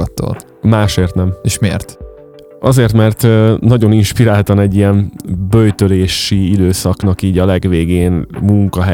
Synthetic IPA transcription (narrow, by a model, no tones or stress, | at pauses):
ɒt̪ːo̰t̪ | maːʃeːrt̪nɛmeʃmḛːrt̪ | ɒzeːrt̪mɛrt̪ːnɒɟo̞ninʃpiɾaːlt̪ɒnɛɟːijɛmbøjt̪øleːʃiid̪øːsɒknɒkiːɟɒlɛɡʋeːɡeːnmuŋkɒɦɛ